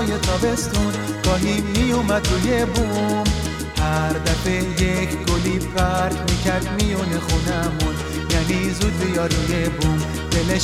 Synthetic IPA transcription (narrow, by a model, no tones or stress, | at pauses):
jet̪ʰɔbest̪unkɔɦiːijumad̪ɾujebum | haɾd̪afejekɡolibfaɾkmikʰaɾd̪mijɔnexunamun | janizud̪d̪ujɔɾujebum | bele